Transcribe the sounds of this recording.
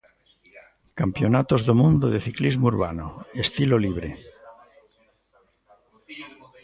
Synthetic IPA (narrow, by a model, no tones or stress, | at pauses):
kampjonat̪ozðomũnd̪oðeθiklizmouɾβanoest̪iloliβ̞ɾe